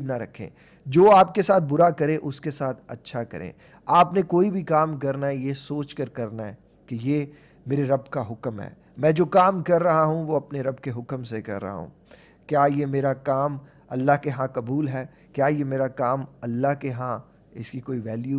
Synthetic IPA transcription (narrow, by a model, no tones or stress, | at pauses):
d̪naɾɐkʰḛ̃ː | d͡ʒoːaːp̚kesaːt̪̚ʰbʊɾakɐɾẽʔʊskesaːt̪ʰɐ̰tːʃʰakɐ̰ɾḛ̃ː | aːpnekoːibʱikaːmk̬ɐɾnaɦɛjesoːt͡ʃkɐɾkɐɾnaɦɛː | kejeː | meːɾeɾɐbkaɦʊkmɦɛ̰ː | mɛ̃ːd͡ʒoːkaːmkɐɾːɐɦaɦũʋoɐpneɾɐbkeɦʊkəmsekɐ̰ɾːɐ̰ɦa̰ɦṵ̃ː | kjaːjemeːɾakaːm | ɐlːaɦkeɦãkɐbuːlɦɛː | kjaːjemeːɾakaːmɐlːaɦkeɦã | ɪskikoːiʋɛːlju